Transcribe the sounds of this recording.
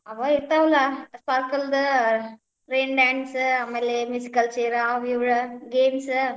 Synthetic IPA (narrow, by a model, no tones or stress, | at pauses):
ɐʋaɪɾt̪aːʋɐlaːsɐɾkɐld̪ | ɾeːɳɖaːɳɖsɐmelemjusikɐlt͡ʃeːɾaːʋjuɻɯɡeːms